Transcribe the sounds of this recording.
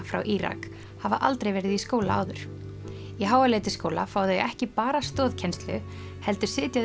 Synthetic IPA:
fɾa̰wʔiɾa̰k | havaʔalt̪ɾejvɛːɾɪðiskoːwla̰a̰ːwðʏɾ̥ | jɛɦaːwaleːjt̪ɪskoːwla̰faːwðʏjɛ̰ɣɛhcɪpaːɾast̪ɔːðcʰɛnst̪lʏ | hɛl̪t̪ʏɾ̥sɪːt̪jað

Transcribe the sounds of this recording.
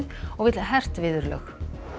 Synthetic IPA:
ðɔɣvɪːt̪laɦɛr̥t̪vɪːðʏɾlœ̰x

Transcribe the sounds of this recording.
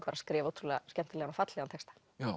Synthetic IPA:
kʰvaɾaskɾɪːvowt̪ʰɾulɛascɛm̥t̪ʏlɛːanafat̪lɛːɣant̪ʰɛkst̪ḁ | a

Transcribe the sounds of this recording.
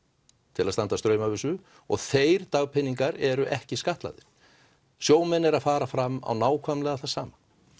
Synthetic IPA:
t̪ʰɪlaðst̪ant̪ast̪ɾœːɥmavʏsʏ | ɔ̰ɣθeːjɾt̪aɣpʰɪnːiŋkaɾɛɾʏʔɛhcɪskaht̪la̰ðɪ̰ɾ̥ | sjoːwmɛnːɛɾaðfaːɾafɾama̰wnaːwkʰvœmlɛɣaθasaːma

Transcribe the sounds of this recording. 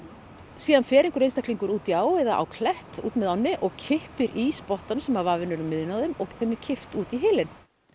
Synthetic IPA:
siːðanfɛːɾeŋkʏɾejnst̪ahkliŋkʏɾuːt̪iaːwvɛðaʔa̰wkʰlɛht̪ṵːt̪mɛðawnːɪʔɔɣcʰɪhpɪɾʔispɔht̪ansɛmavaːvɪnɛɾʏmːɪðɪnawðʏmɔɣθɛmːɪcʰɪft̪uːt̪iɦɪːlɪn

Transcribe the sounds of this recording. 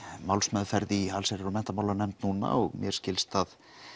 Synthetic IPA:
mawlsmɛːðfɛɾðialsaɾɛɾʏmɛn̥t̪amaːwlanɛmt̪nuːna̰ɔɣmjɛɾscɪlst̪að

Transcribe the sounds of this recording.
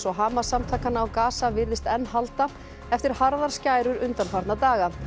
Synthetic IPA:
sɔɦaːmasamt̪ʰaːkanaːwkaːsavɪɾðɪst̪ɛnːɦalt̪a | ɛft̪ɪɾ̥haɾðaɾ̥scaːjɾʏɾʏnt̪anfaɾt̪nat̪aːɣa

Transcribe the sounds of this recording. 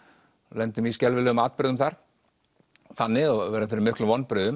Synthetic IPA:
lɛnt̪ʏmiscɛlvɪlœːɣʏmaːt̪̚pɾʏðʏmθaɾ̥ | θanːɪɣɔvɛɾamfɪɾɪɾmɪhklʏmvɔnːpɾʏðʏm

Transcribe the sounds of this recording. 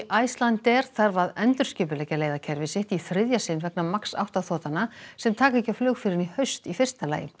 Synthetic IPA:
ʔajst̪lant̪ɛɾ̥θaɾvaðɛnt̪ʏɾ̥scʏːp̬ʏlɛːcaleːjðacʰɛɾvɪsɪht̪iθɾɪðjasɪnvɛknamaksa̰wht̪aθɔːt̪anasɛmt̪ʰaːkɛcaflœːxfɪːɾɪnihœɥst̪ifɪr̥st̪ala̰ːjɪ̰m

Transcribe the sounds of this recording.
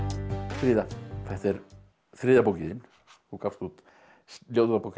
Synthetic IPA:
θɾiðafɛht̪ɛɾ | θɾiːðapowkɪɪn | ukaft̪ut̪ | slʲjowt̪uapok

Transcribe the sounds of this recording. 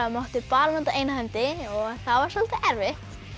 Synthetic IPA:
mowht̪ɪpaːlmant̪aʔeːjnahɛmt̪ɪɔɣθaðvaɾ̥salt̪aʔɛɾvɪht̪

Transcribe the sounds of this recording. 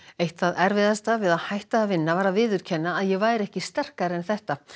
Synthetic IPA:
ejht̪aðɛɾvɪðast̪avɪðaðhajht̪aðavɪnːavaːɾavɪːðʏɾ̥cʰɛnːaːðjɛvaːjɾɛhcɪst̪ɛr̥kaɾɛnθɛht̪a

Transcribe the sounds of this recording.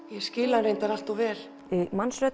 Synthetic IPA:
jɛscɪːlaɾejnt̪aɾal̥t̪ɔvɛːɾ̥ | mansɾœt̪

